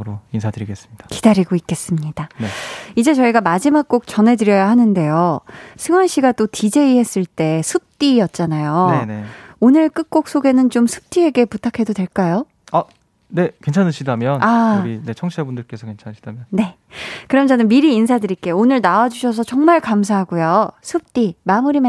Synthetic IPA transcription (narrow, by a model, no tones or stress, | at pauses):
ɯɾoinsʰadɯɾiɡe̞s͈ɯmɲid̥ḁkid̥aɾiɡoik͈e̞s͈ɯmɲid̥aneid͡ʑe̞t͡ɕʌiɡamad͡ʑimak̚k͈ok̚t͡ɕʌnɦe̞dɯɾjʌjaɦanɯnde̞josʰɯŋwanɕ͈iɡat͈otid͡ʑe̞iɦe̞s͈ɯɭt͈e̞sʰɯp̚t͈ijʌt̚t͡ɕ͈anajoeneonɯɭk͈ɯk̚k͈ok̚s͈oɡe̞nɯnt͡ɕomsʰu̥p̚t͈ʰie̞ɡe̞putʰakʰe̞dodwe̞ɭk͈ajo | a | ne̞kwent͡ɕʰanɯɕʰidamjʌnaine̞t͡ɕʰʌŋɕʰiabundɯɭk͈e̞sʰʌkent͡ɕʰanɕʰidamjʌnne̞ | kɯɾʌmt͡ɕʌnɯnmiɾiːnsʰadɯɾik͈eonɯɭnawad͡ʑuɕʰʌs̬ʰʌt͡ɕʌŋmaɭkamsʰaɦaɡujosʰɯp̚t͈imamuɾim